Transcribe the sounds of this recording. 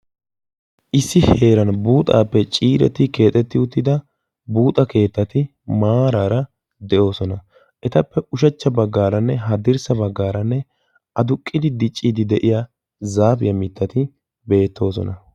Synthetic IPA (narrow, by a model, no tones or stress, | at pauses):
ʔɪsːɪhe̞ːɾɐnbuːt̪ʼa̰ːpːɛt͡ʃʼiːɾɛ̰t̪ːɪke̞ːt̪ʼːɛt̪ːɪʊt̪ːɪd̪ɐ | buːt̪ʼɐke̞ːt̪ːɐt̪ɪ | maːɾaːɾɐ | d̪ɛʔo̞ːsɔnɐ | ʔɛt̪ɐpːɛʊʃɐt͡ʃːɐbɐɡːaːɾɐnːɛɦɐd̪ɪɾsɐbɐɡːaːɾɐnːɛ | ɐd̪ʊkʼːɪd̪ɪd̪ɪt͡ʃʼːiːd̪ɪd̪ɛʔɪja | zaːfɪjɐmɪt̪ʰːɐt̪ɪ | be̞ːt̪ːo̞ːsɔ̰nɐ